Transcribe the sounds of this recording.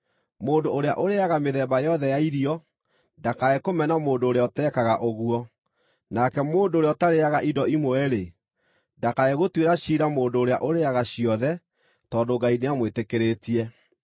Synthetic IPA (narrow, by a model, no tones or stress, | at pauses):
moːndoːɾea̰ʔoɾeaɣameðɛːbajɔðɛjaiɾiɔ | ndakaekomɛnamoːndoːɾeɔtɛkaɣaʔoɣuɔ | nakɛmoːndoːɾeɔtaɾeaɣaʔidɔimoɛɾe | ndakaeɣotweɾaɕiɾamoːndoːɾea̰ʔoɾeaɣaɕiɔðɛ | tɔːndoɡaineamwetekeɾeːtiɛ